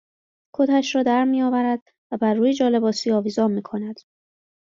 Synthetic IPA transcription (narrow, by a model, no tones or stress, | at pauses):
kʰot̪ʰæʃrɒːd̪æɾmijɒːvæɾæd̪ | væbæɾːuːjed͡ʒɒːle̞bɒːsiːɒːviːzɒːnmiːkʰo̞næd̪̥